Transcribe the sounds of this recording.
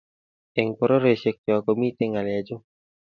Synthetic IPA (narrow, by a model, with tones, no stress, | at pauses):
e˨ŋpɔ˨ɾɔ˦ɾe˨ʃe˨k̚tɔ˨kɔ˨mi˦t̪e˦ŋa˨lɛ˨d͡ʒo˦